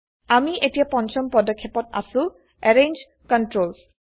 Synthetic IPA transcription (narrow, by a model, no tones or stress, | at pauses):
amiʔetijapɔnt͡ʃɔmpɹɔdɔkʰːepɔta̰sʊ̃ | ɛɹend͡ʒ | kɔntɹols